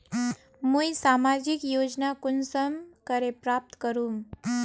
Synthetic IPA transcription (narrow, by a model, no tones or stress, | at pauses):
mũjsamad͡ʑikjod͡ʑnakunsəmkəɾepɾap̚t̪kəɾuːm